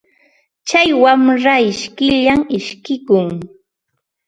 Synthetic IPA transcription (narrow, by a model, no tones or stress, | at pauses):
t͡ʃajwamɾaɪʃkɪʎamɪʃkɪkʊŋ